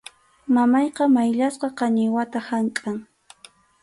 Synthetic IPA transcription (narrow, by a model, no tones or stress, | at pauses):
mamɑjqɑmajʎasqɑqɑɲɪwat̪ahaŋkʼaŋ